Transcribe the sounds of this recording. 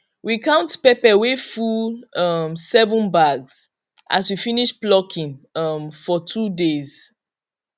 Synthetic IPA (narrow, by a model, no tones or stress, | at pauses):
wikãʊ̃ntpepɛwefulʌmsɛvə̃nbaɡs | ʔa̰swifiniʃplɔkʰĩnʌmfɔtʰudez̥